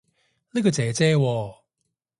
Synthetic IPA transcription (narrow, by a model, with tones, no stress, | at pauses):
li˥kɔ˧t͡sɛː˨˧˦t͡sɛː˥wɔː˧